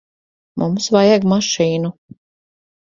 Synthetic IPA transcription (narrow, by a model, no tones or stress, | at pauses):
mumsvajaɡmaʃiːnu